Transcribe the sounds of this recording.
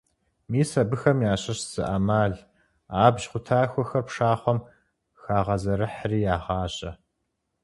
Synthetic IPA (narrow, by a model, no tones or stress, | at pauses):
miːsɐbɨxɐmjaːɕɐɕz̥ɨ̰ʔamaːɮ | aːbʒχʷʊtʰaːxʷɔxɐrpʂaːχʷɔm | xaːʁɐzɐɾɨħriːjaːʁɑːɕʼɐ